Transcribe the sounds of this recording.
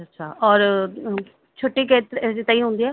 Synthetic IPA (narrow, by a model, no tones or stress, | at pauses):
ətːʃʰaːʔɔːɾ | t͡ʃʰoʈːeːket̪eset̪aĩːɦʊ̃ːnd̪iːɛː